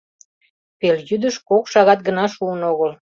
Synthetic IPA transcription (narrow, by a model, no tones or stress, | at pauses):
peljyd̪əʃkokʃɑɣɑt̪̚ɡənɑʃuənoɣəl